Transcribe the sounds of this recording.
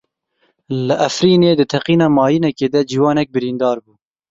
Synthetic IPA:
ləʔæfɾiːneːd̪ɨt̪ʰɛqiːnɑːmɑːjinɛkeːd̪ɛd͡ʒiːwɑːnɛk̚bɨɾiːnd̪ɑːɾbuː

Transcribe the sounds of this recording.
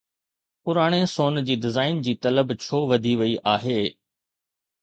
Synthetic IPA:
pʊɾaːɽ̃esoːnd͡ʑiːɖɪzaːɪnd͡ʑiːt̪ɐləbt͡ɕʰoːʋɐd̪ʱiʋɐiʔaːɦeː

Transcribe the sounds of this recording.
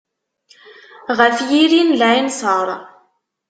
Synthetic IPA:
ʁəfjiɾinlæinsəɾˤ

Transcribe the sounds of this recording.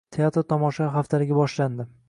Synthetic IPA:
t̪ʰeat̪ɾt̪ʰɒmɒʃaχaft̪ʰalɪɡʲabɒʃland̪ɪ

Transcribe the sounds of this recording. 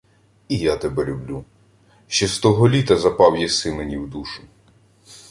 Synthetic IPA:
ijat̪ɛbɛlʲublʲu | ʃt͡ʃɛst̪ɔɦɔlʲit̪ɐzɐpɑwjɛsɪmenʲiwd̪uʃʊ̥

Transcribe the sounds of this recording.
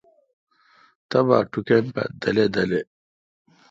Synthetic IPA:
t̪ɐba̰ːʈukempa̰d̪ɐled̪ɐle

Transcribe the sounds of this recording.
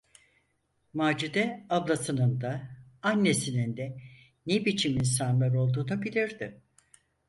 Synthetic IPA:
maːd͡ʒud̪ɛablˠasɯnɯnd̪aanːe̞sinind̪ɛ | nebit͡ʃʰimins̬anlˠaɾo̞lˠd̪uːnabilʲiɾd̪ɪ

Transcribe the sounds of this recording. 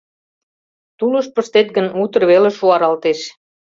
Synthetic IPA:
t̪ulə̆ʃpə̆ʃt̪et̪̚ɡə̆nut̪ə̆rβeleʃuɑɾɑlt̪eʃ

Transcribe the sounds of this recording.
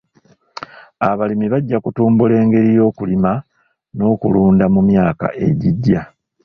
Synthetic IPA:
aβalimiβaɟːakutuːmbule̞ːŋɡe̞ɾijo̞ːkulima | no̞ːkṵluːndamumjaːka̰ʔe̞̰ɟiɟːa

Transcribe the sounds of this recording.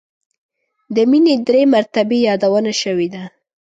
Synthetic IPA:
d̪əmined̪ɾemaɾt̪abejɑd̪awənaʃəwed̪a

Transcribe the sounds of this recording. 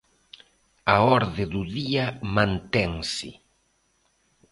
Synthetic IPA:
aɔɾðɪðuðiɐmãnt̪ɛŋsɪ̰

